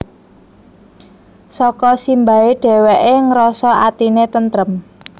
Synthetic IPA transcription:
sɔkɔsimba̤eɖ̥ɛ̤wɛʔeŋəɾɔsɔʔat̪inet̪ənt̪ɾəm

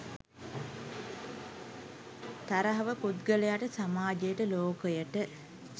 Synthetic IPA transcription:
t̪aɾəɦɐʋəkut̪ɡəlejaʈəsamaːd͡ʒejəʈəloːkəjəʈə

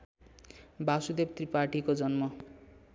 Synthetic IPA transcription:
basud̪ept̪riparʈikod͡zʌnmʌ

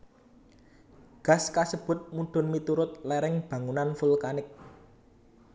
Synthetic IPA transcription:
ɡ̥a̤skasəb̥ʊ̤t̪̚muɖ̥ʊ̤nmit̪uɾʊt̪̚lɛɾɪŋb̥ä̤ŋunanfulkanɪk̚

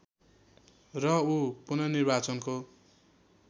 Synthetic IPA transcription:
rʌupunʌnirbat͡sʌnko

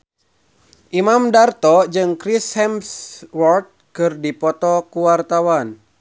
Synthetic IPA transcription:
ʔimamdart̪ɔd͡ʒɨŋkɾishɛmswɔrt̪̚kɨrdipɔt̪ɔkuwart̪awan

